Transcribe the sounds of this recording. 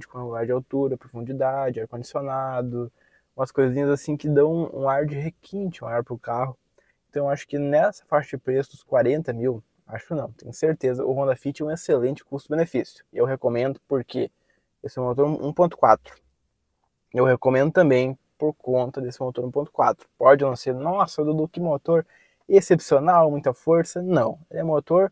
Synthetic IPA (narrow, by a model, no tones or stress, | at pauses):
d͡ʒɪkõluɡaɾd͡ʒɪawt̪uɾɐpɾofũd͡ʒid̪ad͡ʒɪaɾkõd͡ʒisionad̪ʊ | ũmɐskojzĩɲɐzasĩkɪd̪ɐ̃w̃ũṵ̃aɾd͡ʒɪɦekʰĩnt͡ʃɪũaɾpɾʊkaɦʊ | ẽnt̪ɐ̃w̃eaʃʊ̥kɪnɛsɐ̥faʃɐd͡ʒɪpɾesʊd̪ʊskwaɾẽnt̪ɐmiw | a̰ʃʊ̥kɪnɐ̃w̃t̪ẽj̃ʊseɾt̪ezɐʔʊɦõd̪ɐfit͡ʃɪɛũeselẽnt͡ʃɪ̥kust̪ʊdɪbenefisjʊ̥ɪewɦekomẽnd̪ʊpoɾke | esɪɛũmot̪oɾũṵ̃põt̪ʊ̥kwat̪ɾʊ̥ | ewhekomẽnd̪ʊt̪ɐ̃mbẽj̃ | poɾkõnt̪ɐd̪esɪmot̪oɾũpõt̪ʊ̥kwa̰t̪ɾʊ̥pɔd͡ʒɪnɐ̃w̃seɾnɔsɐd̪ud̪ʊkɪmot̪oɾ | esepsionawmũj̃t̪ɐfoɾsɐnɐ̃w̃elɛũmot̪oɾ